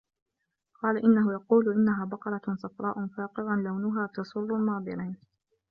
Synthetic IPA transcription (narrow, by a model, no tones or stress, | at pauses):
qɑːlaʔɪnːaɦʊjɑquːlʔɪnːaɦaːbɑqɑɾˤɑsˤɑfɾˤɑːʔʊnfaːqɨðˤanlawnʊɦaːt̪ɑsˤʊrˤːʊlmɑːd̪ˤɨɾiːn